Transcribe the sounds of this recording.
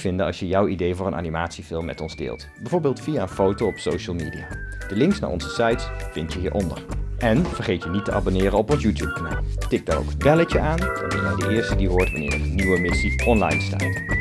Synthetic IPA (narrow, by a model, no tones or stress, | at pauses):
v̥ɪndəɑ̰lˠʃjəjʌwidejvʊːɹənʔa̰ːnimaːtsifɪlˠmːɛ̰tɔnzdɪ̰ːlˠt | bɛjvoːɹbeːlˠtfijaːənfowtowɔpsowʃəlˠmiːdijaːd̥əlɪŋksna̰ɹʔɔ̰nzəsɑjtsfɪntjəɦiːɹʔɔndə̰ɹʔɛnvəɹχejtjənitəʔɑ̰bonɪːɾənɔpɔnsjutjup̚kana̰ːlˠtɪk̚daɹo̰wkənbɛlət͡ʃəʔaːndɑ̰nɛ̰naːdəʔɪːɹstədiɦʊːɹtʋa̰nɪ̰ːɹəənyʋəmɪsiɔnlɑ̰jnsta̰ːt